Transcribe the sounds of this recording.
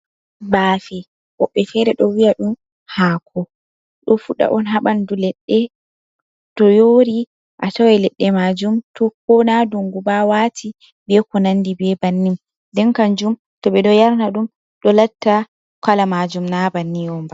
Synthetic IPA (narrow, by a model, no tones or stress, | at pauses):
baːfɛ | ʔɔɓːɛfɛɾɛɗɔwiaɗum | haːkʰɔ | ɗɔfuɗa̰ʔɔnɦaɓandulɛɗːɛ | tɔjoːɾi | ʔatawɛlɛɗːɛmad͡ʒumtʰɔkɔnaduŋɡubawatʰi | bɛkɔnanːdibɛbanːim | dɛnkaɲd͡ʒum | tɔɓɛɗɔjaɾnaɗum | ɗɔlatːa | kalamad͡ʒumnabanːijɔmba